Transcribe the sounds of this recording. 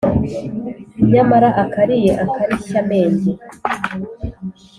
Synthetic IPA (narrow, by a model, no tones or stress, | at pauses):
ɲamaɾaʔakaɾijeʔakaɾicame̞ːɲɟe